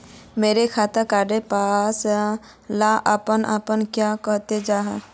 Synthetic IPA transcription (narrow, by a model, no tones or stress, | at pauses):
meːɾekʰaːt̪əɾkaːɖepaːs | laʔəpənə̰pənkjakəɦt̪ed͡ʒaːɦɛ